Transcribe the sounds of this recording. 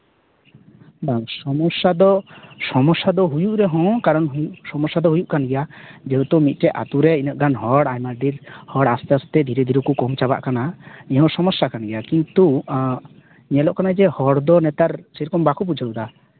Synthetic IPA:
daŋsɔmɔsad̪ɔsɔmɔsːad̪ɔɦujuʔɾɛɦɔ̃kaɾɔnusɔmɔsad̪ɔɦujuʔkanɡɛjad͡ʒɛɦut̪ɔmit̪̚ˀʈɛʔa̰t̪uɾɛinəʔɡanɦɔɽajmaɾd̪iɾhɔɽast̪ast̪ɛd̪ʱiɾɛd̪ʱiɾukukɔmt͡ʃaba̰ʔkanaĩɦɔ̃sɔmɔsːakanɡɛjakint̪u | ɲɛlɔʔkanad͡ʒɛhɔɽd̪ɔnɛt̪aɾsɛɾɔkɔmbakʰup̬ud͡ʒʱaɾud̪a

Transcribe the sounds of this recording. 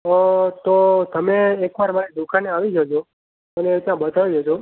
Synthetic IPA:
ət̪ot̪əmeːkʋaɾmaned̪ukʰaneaʋid͡ʒod͡ʒʰo | əneːt̪jãbət̪ʰaʋid͡ʒʱod͡ʒʰo

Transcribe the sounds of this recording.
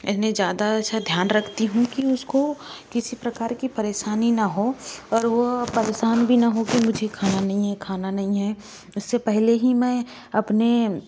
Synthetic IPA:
ɪt̪nẽd͡ʒjaːd̪aɐtːʃʰad̪ʱjaːnɾɐkʰt̪iɦũkiʊskokɪsipɾɐkaːɾkipɐɾeːʃaːninaɦoɔːɾʋopɐɾeːʃaːnbʱinɐɦokimʊd͡ʒʱekʰaːnanɐɦĩɦɛkʰaːnanɐɦĩɦɛ | ʊsːepɛɦleɦimɛ̃ | ɐpne

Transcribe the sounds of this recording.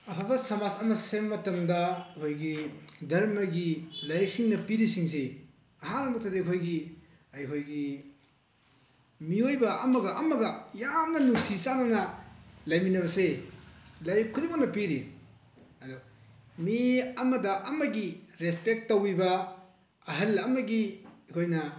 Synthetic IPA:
ɐpʰabɐsɐmasɐmɐssebmɐtɐmdɐkʰojɡidɐɾmɐɡilɐjsiŋnɐpiɾisiŋse | ɐɦanɐmuk̚tʰadekʰojɡi | ɐjkʰojɡi | miojbɐɐmɐɡɐʔɐmɐɡɐjamnɐnusisananɐlɐjminɐβɐse | lajkʰuɾimanɐpiɾi | ɐdo | miɐmɐdɐʔɐmɐɡiɾespek̚tːowibɐ | ɐɦɐlɐmɐɡikʰojnɐ

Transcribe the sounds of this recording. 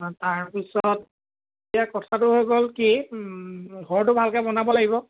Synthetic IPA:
taɹpisɔt̚ | etijakɔtʰatʊɦojɡolki | ɡʱɔɹtʊbʱalkɛbɔnabɔlaɡibɔ

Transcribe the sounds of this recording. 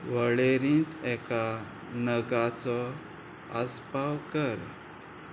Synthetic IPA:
ʋəɭeɾĩːt̪ɛka | nəɡat͡sɔ | əspawkəɾ

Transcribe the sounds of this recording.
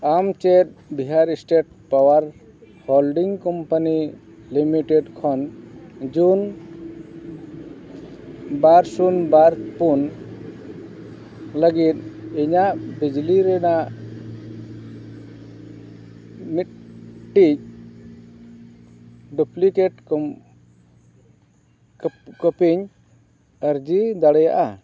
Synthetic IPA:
amt͡ʃɛt̪̚biɦaɾisʈeʈ̚ | pawaɾ | hɔlɖiŋkɔmpani | limiʈɛɖkʰɔnd͡ʒun | baɾsunbaɾpun | ləɡit̪̚iɲaʔbid͡ʒliɾɛnaʔ | mit̪̚ʈic̚ | ɖuplikɛʈ̚k | kəpiɲ | əɾd͡ʒid̪aɽɛjaʔa

